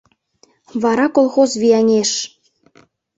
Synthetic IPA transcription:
βɑɾɑkolˠxozβʲiɑnʲeʃ

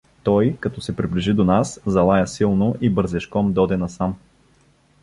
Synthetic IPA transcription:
t̪ɔjkɐt̪ɔsɛpɾibliʒid̪onaszɐlˠajɐsilˠnoʔibəɾzɛʃkɔmd̪ɔd̪ɛnɐsam

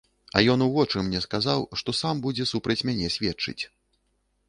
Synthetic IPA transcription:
ɐ̰jɔn̪uvɔt͡ʂɨmnʲɛskazawʂt̪ɔsambud͡zʲɛsupɾɐt͡sʲmʲanʲɛsʲvʲɛt͡ʂɨ̰t͡sʲ

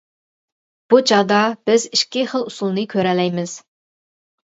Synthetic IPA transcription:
b̥ut͡ʃʰɑd̪ɑb̥ɪziʃkʲiχəlˠusulˠnɨkʲʰøɾɛlɛjmɪz̥

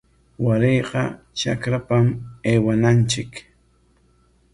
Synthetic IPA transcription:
waɾejqɑ̰ | t͡ʃa̰kɾapameːwanant͡ʃɪk

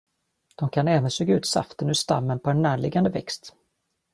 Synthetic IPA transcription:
d̪̥ɔmkʰanɛːvənsøːɡaʉ̟ːt̪sa̰ft̪ənɵst̪a̰mːənpʰɔɛnːæːɭɪɡand̪əvɛ̰kst̪

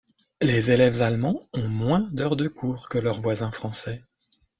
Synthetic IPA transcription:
lezelɛvzalmɑ̃ɔ̃mwɛ̃d̪œʁd̪əkʰuːʁkəlœʁvwazɛ̃fχɑ̃sɛ

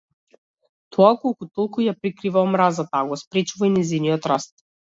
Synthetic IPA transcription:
t̪ʰɔakɔlˠkut̪ɔlˠkujapɾikɾivaɔmɾazat̪aːɡɔspɾɛt͡ʃuvainɛziniɔt̪ɾast̪̚

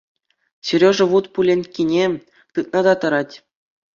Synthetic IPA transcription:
ɕyɾʲoʐɤ̆ʋut̪pulʲenʲkʲinʲe | t̪ɯt̪̚nɑd̪ɑt̪ɤ̆ɾɑtʲ

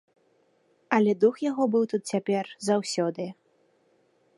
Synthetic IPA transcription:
ɐlʲɛd̪uxjaɣɔbɨwt̪ut̪̚t͡sʲapʲɛrzawsʲɔd̪ɨ

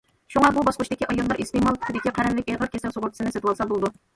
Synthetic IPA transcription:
ʃuŋɑbubɑsqʊt͡ʃd̪ɪkʲiʔɑjɑllːˠɑɾest̪emɑlˠt̪ʰy̥kʰɪd̪ɪkʲiqʰæɾɛnlɪkʲeʁəɾkʲesɛlsoʁʊɾt̪ʰɨ̥sɨnɪset̪ɨwɑlˠsɑbolˠɨd̪u

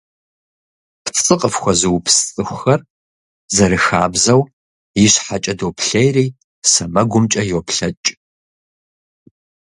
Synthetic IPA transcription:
pʰt͡sʼɨqʼəfxʷɐzɨwpʰst͡sʼɨxʷʊxɐr | zɐɾɨxa̰ːbzɐw | jɪɕħat͡ʃʼɐdowpʰɬejriː | sɐmɐɡʷʊmt͡ʃʼɐjowpʰɬɐt͡ʃʼ

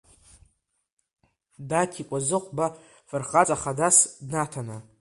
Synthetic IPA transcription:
dakʲʰikʷʼazɨqʷʼba | fɨrχat͡sʼaχadasdnatʰana

